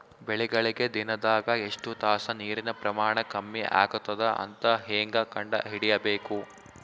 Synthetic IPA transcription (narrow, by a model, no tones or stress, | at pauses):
bɛɭɛɡɐɭiɡe̞d̪inɐd̪aːɡɐeʂʈut̪aːsɐniːɾinɐpɾɐmaːɳɐkɐmːiʔa̰ːɡut̪ːɐd̪ɐʔɐ̰nt̪ɐɦeːŋɡɐkɐɳɖɐ̰ɦiɽijɐbeːku